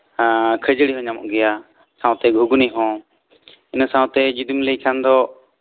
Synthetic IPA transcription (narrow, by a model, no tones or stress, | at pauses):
kʰəd͡ʒəɽiɦɔ̃ɲamɔ̰ʔɡɛja | sãw̃t̪ɛɡʱuɡuniɦɔ̃ | inəsãwt̪ɛd͡ʒud̪imləjkʰand̪ɔ